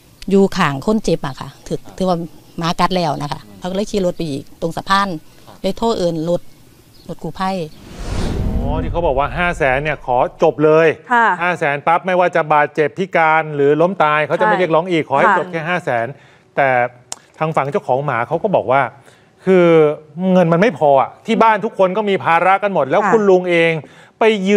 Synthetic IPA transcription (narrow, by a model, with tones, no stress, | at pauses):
juː˧kʰaː˨˩ŋkʰo˥˨nt͡ɕe˧˦p̚ʔa˧˩kʰa̰˦˧˩t̪ʰɯː˨˩k̚t̪ʰɯː˨˦waː˧˩maː˨˦ka˦˥t̪̚lɛː˧˩wna̰˦˥kʰa̰˦˥˩kʰa˧˥˩kdkʰiː˧lo˦˥t̪̚pa˧jʔiː˨˩k̚t̪o˧ŋsa˧˦pʰaː˥˨n | laː˧˥˩jt̪ʰoː˥˩ʔɤː˧nlo˦˥t̪̚ | lo˦˥t̪̚kʰuː˧˩pʰa˧˥˩j | ɔː˨˦˩t̪ʰi˧˩kʰa˦˥wbɔː˨˩k̚waː˥˩ɦaː˥˩sɛː˩˦nːi˥˩ɐkʰɔː˩˦t͡ɕo˨˩p̚lɤː˧jhaː˥˩sɛː˩˦npa˦˥p̚ma˥˩jwaː˥˩t͡ɕa˨˩baː˨˩t̪̚t͡ɕe˨˩pʰːi˦˥kaː˧nɾɯː˩˦lo˦˥mt̪aː˧jkʰa˦˥wt͡ɕa˨m˧a˩˨li˥˩ək̚lɔː˦˥ŋʔiː˨˩kʰːɔː˩˦ha˥˩jt͡ɕo˨˩p̚kʰɛː˥˩ɦaː˥˩sɛː˩˦n | t̪ɛː˨˩ | t̪ʰaː˧ŋfa˩˦ŋt͡ɕa˥˩wkʰɔː˩˦ŋmaː˩˦kʰa˦˥wkɔː˥˩bɔː˨˩k̚waː˥˩ | kʰɯː˧ŋɤ˧nma˧nma˥˩jpʰɔː˧ʔa˨˩t̪ʰiː˥˩baː˥˩nt̪ʰu˦˥kʰːo˧nkɔː˥˩miː˧pʰaː˧ɾa˦˥ka˧nmo˨˩t̪̚lɛː˦˥wkʰu˧nlu˧ŋʔeː˧ŋ | pa˧jːɯː˧